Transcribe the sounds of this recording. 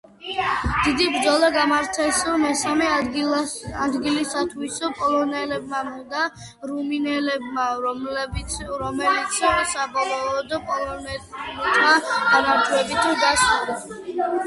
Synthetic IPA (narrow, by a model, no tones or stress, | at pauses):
d̪̥id̪ibɾd̪zɔlˠaɡamaɾt̪ʰɛsɔmɛsamɛ | ad̪ɡilisat̪ʰwisɔpʼɔlˠɔnɛlɛbmamɔd̪a | ɾuminɛlɛbmabɾɔmɛlit̪sʰsabɔlˠɔɔd̪pʼɔlɔnɛɛt̪ʼmaɡanaɾt̪ʰwɛbit̪ʰɡaʃud̪ɔ